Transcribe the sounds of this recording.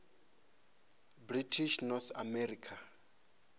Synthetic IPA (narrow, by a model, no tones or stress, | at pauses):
britʰiʃnɔθa̰mɛrikʰa